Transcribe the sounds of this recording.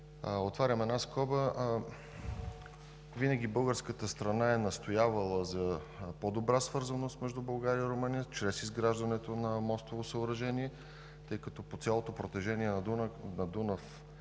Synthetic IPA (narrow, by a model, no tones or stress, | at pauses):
ot̪vaɾʲɐmɛd̪naskɔbə | vinəɡ̟ʲibɤlˠɡəɾskət̪əst̪ɾɐnaɛnɐst̪ojavəlˠəzɐ | pod̪obɾasvɤɾzɐnost̪mɛʒd̪ubɐlˠɡaɾiəiɾomɤnijət͡ʃɾɛsizɡɾaʒd̪ɐnɛt̪onɐmɔst̪ovosəoɾɐʒɛniɛ | t̪ɤjkɐt̪ɔpot̪sʲjalˠot̪opɾot̪ɛʒɛniɛnnɐd̪unəf